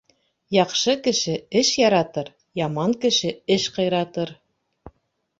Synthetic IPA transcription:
jɑqʃɤkɘ̆ʃɘɘʃjɑɾɑt̪ɤɾ | jɑmɑŋkɘ̆ʃɘɘʃqɤ̆jɾɑt̪ɤɾ

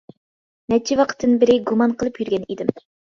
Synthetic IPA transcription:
nɛt͡ʃʰiwɑqʰə̥t̪ːɨnbɪɾɪɡumɑnqʰəlˠɨpjyɾɡʲɛnid̪ɪm

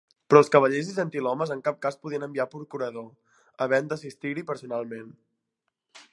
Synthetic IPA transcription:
pɾɔlˠskəβəʎezizənt̪ilɔməzəŋkap̚kaspuðiənəmbiapɾukuɾəðo | əβɛənd̪əs̬ist̪iɾipəɾsunalˠmen

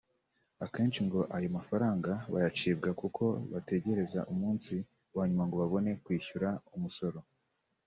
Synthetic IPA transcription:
ake̞ːnt͡ʃiŋɡo̞ʔajomafaɾaːŋɡaβajat͡ʃiːb̚ɡakukʰo̞βate̞ɟe̞ɾe̞zaʔumuːnsi | waːɲumaŋɡo̞βaβo̞ne̞kwiːçuɾaumuso̞ɾo̞

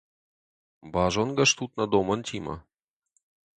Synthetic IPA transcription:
bɑʒonɡɐʃt̪ut̪̚nɐd̪omənt̪ʰʲimɐ̰

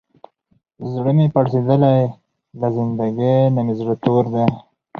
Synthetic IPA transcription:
zɽəmepaɽsed̪əlaj | lazɪnd̪aɡenamezɽət̪oɾd̪e

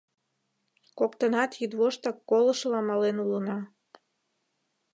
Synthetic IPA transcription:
kokt̪ənɑt̪jyd̪βoʃt̪ɑkːoləʃlɑmɑlenulənɑ

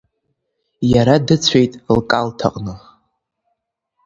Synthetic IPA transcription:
jaɾadɨt͡sʷʰe̞jtʼlkʼaltʰa̰qʼnɨ

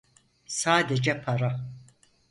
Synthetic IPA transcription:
saːd̪ɛd͡ʒɛpʰɐɾa

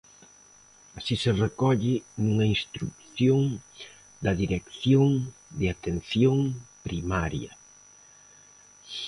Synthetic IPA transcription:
asiserekɔʎɪnuŋɐinst̪ɾukθjoŋ | d̪ɐðiɾekθjoŋd̪ɪat̪enθjoŋpɾimaɾjɐ̰

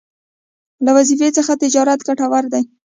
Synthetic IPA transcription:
lawazifet͡səxat̪ɪd͡ʒɑɾat̪ɡaʈawaɾd̪aj

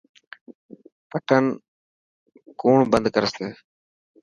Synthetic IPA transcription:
pəʈʰən | kuːɳbənd̪kəɾəseː

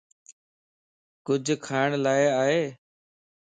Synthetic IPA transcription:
kʊd͡ʒʱkʰaːɪɳlaːɪaːɦeː

